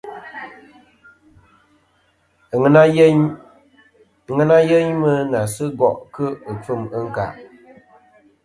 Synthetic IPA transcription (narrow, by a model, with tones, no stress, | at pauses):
a˦ɲ˦ | ŋə˦na˦jə˦ɲmə˦na˨sɨ˦ɡɔ˨ʔkɨ˦ɨ˨fɨ˦˨mə˦ŋ̩˦ka̰˨ʔ